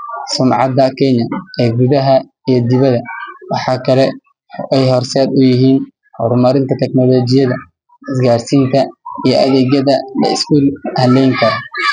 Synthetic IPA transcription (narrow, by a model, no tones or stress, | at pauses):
sʊmʕɑd̪ɐkʰɛɲɐɛːɡuðɐɦɐ | ijɞd̪ɪβɐðɐwɑħɑːkʰɐlɛ | ɛjɦɔrsɛːd̪ʊjɪɦiːn | hɔɾmɐɾɪnt̪ʰɐt̪ʰɛknɔlɔːt͡ʃɪjɐðɐ | ɪsɡaːrsiːnt̪ʰɐijɞʔɐ̰ðɛːɡjɐðɐlɐ̰ɪskuːlhɐlɛjŋkʰɐɾɐ